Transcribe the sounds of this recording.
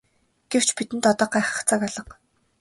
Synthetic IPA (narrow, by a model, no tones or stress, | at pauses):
ɡ̥ew̥t͡ɕpit̪ɘ̆nt̪ɔt̪ɔːɢæːχə̥̆kt͡saːkɔɮɞ̆q